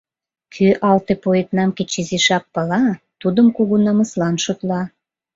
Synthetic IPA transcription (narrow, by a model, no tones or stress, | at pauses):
kʰyʔɑlt̪epoet̪nɑmket͡ɕiziʃɑk̚pəlɑt̪ud̪əmkuɣunɑməslɑnʃot̪lɑ